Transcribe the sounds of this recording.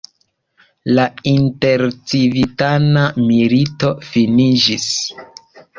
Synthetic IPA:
lainte̞ɾt͡sivitanamilito̞finid͡ʒis

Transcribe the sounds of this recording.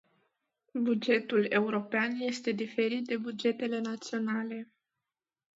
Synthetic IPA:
bud͡ʒe̞t̪ule̞uɾo̞peanje̞st̪e̞d̪ife̞ɾit̪̚d̪e̞bud͡ʒe̞t̪e̞le̞nat̪sio̞nale̞

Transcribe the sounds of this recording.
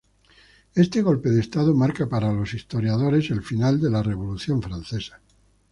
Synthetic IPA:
e̞st̪eɣ̞o̞lpe̞ðest̪aðomaɾkapaɾalo̞sist̪o̞ɾjað̞o̞ɾe̞se̞lfinald̪e̞lare̞β̞o̞luθjo̞ɱfɾan̟θe̞sḁ

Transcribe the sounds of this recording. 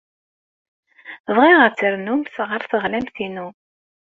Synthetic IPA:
ðˤʁiʁəɾt͡sːəɾnumθʁəɾθəʁlæmθinu

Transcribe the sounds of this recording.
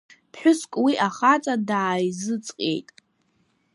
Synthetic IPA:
pʰħʷᶣʊskʼwiʔaχat͡sʼadaːjzɨt͡sʼqʼḛjtʼ

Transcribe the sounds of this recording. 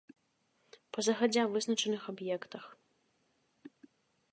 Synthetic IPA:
pɐzɐxad͡zʲɛvɨznɐt͡ʂɐnɨxabjɛkt̪ɐx

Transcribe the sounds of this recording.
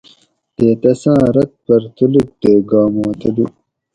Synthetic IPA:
d̪̥eːt̪ɐsãːɾɐt̪̚pɐɾt̪uluk̚d̪eɡɑːmõːt̪ɐd̪u

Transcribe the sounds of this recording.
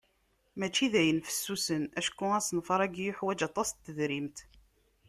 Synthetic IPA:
mæt͡ʃːiðæjənfə̥sːusənæʃkːʊæsnfɑɾˤæɡjʊħwæd͡ʒɑt̪ˤːɑst̪ːəðɾimt̪

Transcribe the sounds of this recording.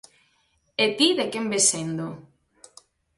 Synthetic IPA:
et̪iðekembesend̪o

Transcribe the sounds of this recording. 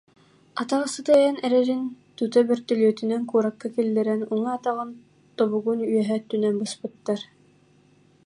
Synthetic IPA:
at̪aʁɯsɯt̪aɛjɛnɛɾɛɾint̪ut̪ɛbœɾt̪œlyœt̪ynɛŋkuɾakːakilːɛɾɛnuŋaat̪aʁɯn | t̪ɔβuɡunyjœɦɛt̪ynɛnbɯspɯt̪ːaɾ

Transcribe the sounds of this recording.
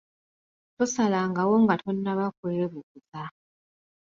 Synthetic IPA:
tusalaŋɡawoŋɡatʰonːaβakuleeβukuza

